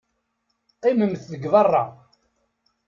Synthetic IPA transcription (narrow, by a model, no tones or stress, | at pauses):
qːɪməmθðəɡvðɑrˤːɑ